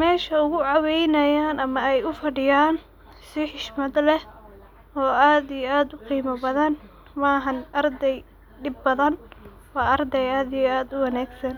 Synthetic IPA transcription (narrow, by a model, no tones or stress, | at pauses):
mɛːʃɐʊɣʊʕɑwɛjnɐjaːnɐmɐɛjʊfɐɖɪjaːn | sɪħɪʃmɐd̪lɛh | ɔːʔaːd̪ijaːd̪ʊqiːmɐbɐðɐn | mɑːɦɐnʔɐrd̪ɛj | ɖɪbːɐðɐn | wɑːʔɐrd̪ɛjaːd̪ijɔaːd̪ʊwɑnaːɡsɐn